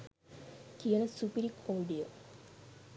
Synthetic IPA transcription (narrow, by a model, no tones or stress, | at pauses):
kijənəsupiɾikʰoːɖijə